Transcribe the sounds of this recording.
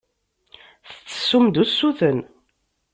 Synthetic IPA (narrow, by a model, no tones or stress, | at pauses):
θə̥t͡sːə̥sːumd̪usːuθən